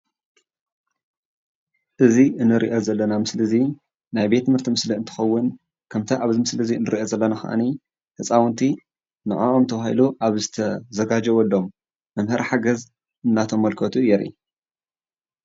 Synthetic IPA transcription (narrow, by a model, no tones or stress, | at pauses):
ʔɨziʔɨnːɨɾiʔozɐlːɐnamɨslɨzi | najbe̞t̪ːɨmhɨɾt̪ʰimɨsliɨnt̪ʰɨ̥xɐwːʊn | kʰɐmt̪ʰɐʔaβzimɨslɨziɨnːɨɾiʔozɐlːɐnaxɐ̰ʔa̰ni | t̪ʰɐt͡sʼawɨnt̪ʰi | nɨ̰ʕa̰ʔomt̪ʰɐβahḭluʔaβzɨt̪ʰɐzɐɡad͡ʒɛwɔlːomː | ɐmhɨɾħaɡɐz | ɨnːat̪ʰo̞mːɐlkʰɐt̪ʰujɛɾḭ